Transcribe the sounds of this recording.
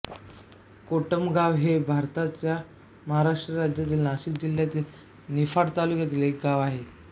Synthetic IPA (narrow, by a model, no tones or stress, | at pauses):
koʈəmɡaʋɦebʱaɾt̪at͡ɕja | məɦaɾaʂʈɾəɾad͡ʑjat̪iːlnaɕikd͡ʑil̤jat̪iːl | nifaɽt̪alukjat̪iːlek̚ɡaʋaɦe